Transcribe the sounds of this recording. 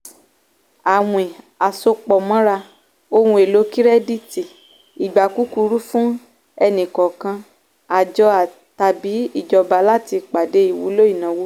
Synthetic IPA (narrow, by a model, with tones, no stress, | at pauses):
a˨w̃ẽ˨ | a˨so˧k͡pɔ˨mɔ̃˦ɾa˧ | o˧hũ˧e˨lo˨˦ki˦ɾɛ˦di˦ti˨ | i˨ɡ͡ba˨ku˦ku˧ɾu˦fũ˦ | ɛ˧nĩ˨kɔ˨kã˧ | a˨d͡ʒɔ˧a˨ | ta˧bi˨˦i˦˨d͡ʒɔ˨ba˧˦la˦ti˧k͡pa˨de˨˦i˦˨wṵ˧˦lo˦i˦˨nã˨˦wo˦